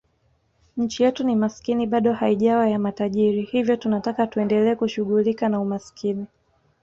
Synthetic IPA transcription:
ɲ̩t͡ʃijɛtunimaskiniɓaɗɔhaiʄawajamataʄiɾihivjɔtunatakatuɛndɛlɛːkuʃuɣulikanaumaskʰini

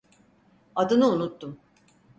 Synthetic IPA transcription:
ad̪ɯnɯunut̪ːum

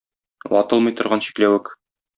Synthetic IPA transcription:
wɒ̰t̪ɤlˠmɤ̆jt̪ŏɾʁɑnɕi̥klæwɘk

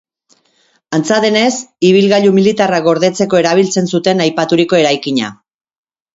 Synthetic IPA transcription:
ant͡saðe̞ne̞siβ̞ilɣaʎumilit̪araɣo̞ɾðe̞t͡se̞ko̞e̞ɾaβ̞ilt͡se̞nsut̪e̞najpat̪uɾiko̞e̞ɾajkiɲa̰

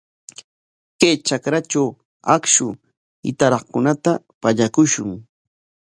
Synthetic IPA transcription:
kajt͡ʃakɾat͡ʃaw | akʃʊ | ɪ̰t̪aɾɑχkʊnat̪a | paʎakʊʃʊŋ

